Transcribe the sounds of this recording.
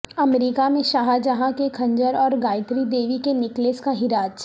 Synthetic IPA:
ɐmɾiːkamẽʃaːɦad͡ʒaɦãkekʰɐ̃ɲd͡ʒəɾɔːɾɡaːɪt̪ɾid̪eːʋikenɪkleːskaɦɪɾaːd͡ʒ

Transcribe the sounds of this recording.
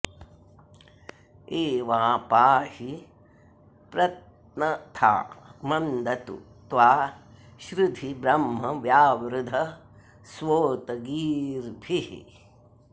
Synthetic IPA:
eːʋaːpaːhi | pɾɐt̪̚ | nɐt̪ʰa̰ːmɐnd̪ɐt̪ṵ | t̪ʋaː | ʃɾud̪ʱibɾɐmɦɐʋjaːʋɾud̪ʱɐ | sʋoːt̪ɐɡiːɾbʱihḭ

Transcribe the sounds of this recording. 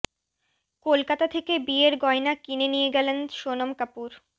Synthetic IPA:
kolkat̪at̪ʰekebieɾɡɔenakinenijeɡɛlenʃonomkapuɾ

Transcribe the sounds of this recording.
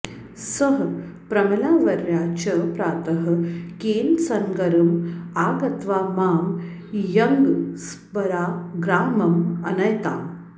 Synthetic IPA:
sɐɦ | pɾɐmɐlaːʋɐɾjaːt͡ʃɐpɾaːt̪ɐɦɐ̆keːlsɐŋɡɐɾɐmaːɡɐt̪ʋaːmaːm | jɐŋɡs | pɐɾaːɡɾaːmɐmɐ̰nɐjt̪a̰ːm

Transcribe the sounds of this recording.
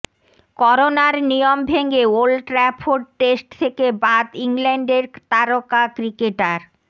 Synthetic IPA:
kɔɾonaɾnijombʱeŋɡeolʈɾɛpʰoɖ̚ʈesʈt̪ʰekebad̪iŋlɛɳɖeɾt̪aɾokakɾikeʈaɾ

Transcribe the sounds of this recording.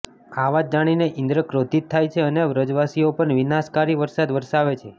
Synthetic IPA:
aʋad͡ʒ̚d͡ʒaɽ̃ineʔɪnd̪ɾəkɾot̪it̪ʰːajt͡ʃʰeəneʋɾəd͡ʒʋasiopəɳʋinaskaɾiʋəɾsad̪ʋəɾʃaʋet͡ʃʰe

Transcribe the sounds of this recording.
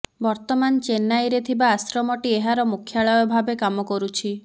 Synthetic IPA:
bɔɾt̪ɔmant͡ʃenajɾet̪ʰibaːsɾɔmɔʈieɦaɾɔmukʰːjaɭɔjɔbʱabekamɔkɔɾut͡ʃʰi

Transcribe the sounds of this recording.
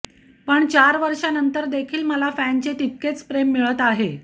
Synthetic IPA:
pəɳt͡ɕaɾʋəɾʂanənt̪əɾd̪ekʰiːlməlafænt͡ɕeʈ̪it̪̚ket͡spɾemːiɭət̪aɦe

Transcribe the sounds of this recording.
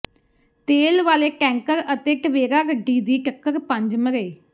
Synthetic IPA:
t̪eːlʋaːleːʈɛ̃ːŋkəɾət̪eːʈəʋeːɾaːɡəɖːiːd̪iːʈəkːəɾpə̃ɲd͡ʒməɾeː

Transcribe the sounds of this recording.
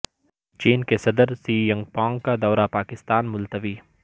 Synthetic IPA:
t͡ʃiːnkesɐd̪əɾsiːjɐ̃ŋɡ̚pɔ̃ːŋɡkad̪ɔːɾapaːkɪst̪aːnmʊlt̪əʋiː

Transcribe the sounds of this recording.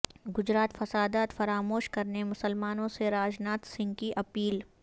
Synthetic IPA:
ɡʊd͡ʒɾaːt̪fɐsaːd̪aːt̪fɐɾaːmoːʃkɐɾnemʊsəlmaːnõseɾaːd͡ʒnaːt̪sɪ̃ŋɡkiʔɐpiːl

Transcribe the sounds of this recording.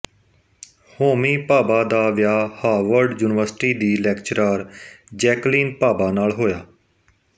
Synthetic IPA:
hoːmiːpaːbaːd̪aːʋjaːhaːʋəɾɖjuːnɪʋəɾsʈiːd̪iːlɛːkt͡ʃɾaːɾd͡ʒɛːkliːnpaːbaːnaːlɦoːjaː

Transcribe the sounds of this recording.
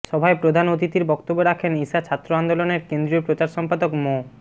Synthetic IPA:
ʃɔbʱaepɾod̪ʱanot̪it̪iɾbɔkt̪obːoɾakʰenisat͡ɕʰat̪ːɾoand̪oloneɾkend̪ɾiopɾot͡ɕaɾʃɔmpad̪okmo

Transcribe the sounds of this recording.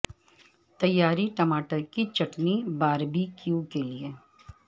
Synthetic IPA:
t̪ɐjːaːɾiʈɐmaːʈəɾkit͡ʃɐʈnibaːɾbʱikjukelie

